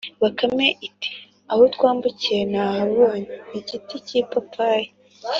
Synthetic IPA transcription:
βakameʔiti̥ | ahotkwaːmbuciɾenahaβoːɲeniɟiticipapʰaje

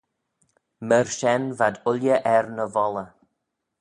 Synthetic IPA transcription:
məɹʃɛnvadʊljəʔɛɾnəvɔlə

